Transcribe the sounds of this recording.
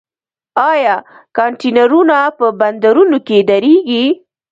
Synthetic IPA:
ɑjɑ | kɑɳʈenaɾunapəband̪aɾunoked̪aɾeɡi

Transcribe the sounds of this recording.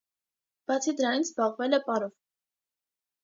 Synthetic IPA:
b̥ɑt͡sʰid̪əɾɑninzbɑʁvɛlɛpɑɾɔv

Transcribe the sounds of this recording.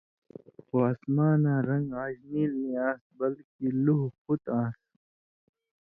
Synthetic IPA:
xoasmaːnãːɾɐ̃ŋɡãːʑniliːãːsbɐlkiluɦxut̪ãːs

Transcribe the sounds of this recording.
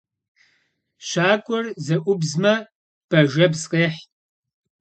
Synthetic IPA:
ɕʷaːkʷʼɔrzɐʔʷʊbzmɐ | b̥ɐʒɐbzqʼeːħʼ

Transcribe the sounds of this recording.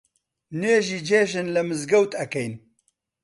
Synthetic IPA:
nweːʒiːd͡ʒeːʒɨnləmɨzɡɐwt̪ɐkɐjn

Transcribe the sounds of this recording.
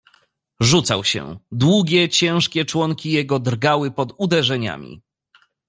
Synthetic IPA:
ʐut̪sawɕɛ̰d̪wuɡʲɛt͡ɕɛ̃ʂkʲɛt͡ʂwɔŋkʲijɛɡɔd̪ɾɡawɘpɔd̪ud̪ɛʐɛɲa̰mʲḭ

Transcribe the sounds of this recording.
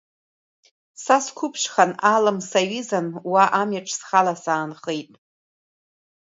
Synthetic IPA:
saskʷʰʊpʰʃχanalɨmsaɥizanwaʔamjaʈ͡ʂʰʼsχalasaːnχejtʼ

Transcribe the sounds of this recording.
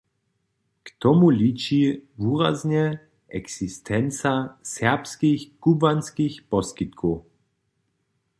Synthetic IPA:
kt̪ɔmulʲit͡ʃivuːɾazɲɛ | ʔɛksist̪ʰɛnt͡sasɛpskixkubanskixpɔskit̪kʰɔ

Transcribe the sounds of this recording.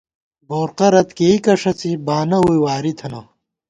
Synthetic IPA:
boːɾqɐɾɐt̪keikɐʂɐt͡sibaːnɐujwaːɾit̪ʰɐnɐ̰

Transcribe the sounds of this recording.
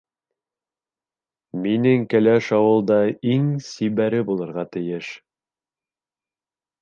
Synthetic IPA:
minɘŋkɘ̆læʃɑwɤlˠd̪ɑiŋsiβæɾɘbulˠɤ̆ɾʁɑt̪ɘ̆jɘʃ

